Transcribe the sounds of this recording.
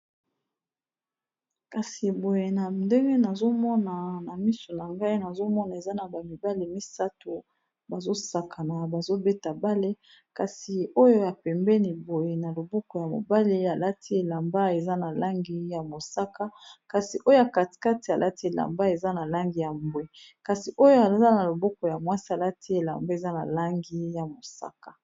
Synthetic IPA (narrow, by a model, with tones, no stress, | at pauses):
ka˨si˨bo˨je˨na˨nde˦ŋɡe˦na˨zo˦mɔ˦na˨na˨mi˦so˨na˨ŋɡa˦i˦na˨zo˦mɔ˦na˨e˨za˦na˨ba˨mi˨ba˦le˨mi˦sa˦to˨ | ba˨zo˦sa˨kʰa˨na˨ba˨zo˦be˦ta˨ba˦le˦ | ka˨si˨o˦jo˦ja˨pɛ˨mbɛ˦ni˨bo˨je˨na˨lo˨bɔ˦kɔ˨ja˨mo̰˨ba˦le˦a˨la˦ti˦e˨la˨mba˦e˨za˦na˨la˦ŋɡi˦ja˨mo˨sa˦ka˦ka˨si˨ʔo˦jo˦ja˨ka˨ti̥˨ka˦ti˨a˨lʔa˦ti˦e˨la̰˨mba˦e˨za˦na˨la˦ŋɡi˨ja˨mbwe˦ | ka˨si˨ʔo˦jo˦a˨za˦na˨lo˨bɔ˦kɔ˨ja˨mwa˦si˦a˨la˦ti˦e˨la̰˨mba˦e˨za˦na̰˨la˦ŋɡi˦ja˨mo˨sa̰˦kḁ˨